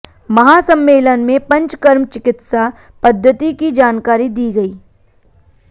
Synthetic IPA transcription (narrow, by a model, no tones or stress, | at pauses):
mɐɦaːsɐ̃mːeːlənmẽpɐ̃ɲt͡ʃkɐɾmt͡ʃɪkɪt̪sa | pɐd̪ʱːət̪ikid͡ʒaːnkaːɾid̪iːɡɐiː